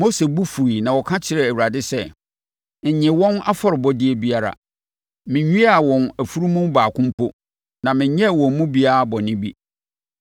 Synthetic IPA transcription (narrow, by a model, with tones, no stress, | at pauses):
mo˦se˨bu˦fu˨ɾi˨nã˨wɔ˨kʰã˦t͡ɕʰɪ˨ɾɛ˨æ˨u˨ɾa˨dɪ˦sɛ˦˨ | n̩˨ɲɪ̃˨wɔ̃˦na˦fɔ˦ɾɪ˨bɔ˦dɪ˦ɛ˦bi˦a˦ɾa̰˨ | mɪ̃˨ɲᶣũ˦a˨wɔ̃˨næ˨fu˦ɾu˦mũ˦mbaː˨kʰʊ̃˦m˦pʰʊ˦ | nã˨mɪ̃˨ɲɲɛ̃˦˨wɔ̃˨m˦mũ˦bi˦a˦˨bɔ˨nɪ̃˦bi˦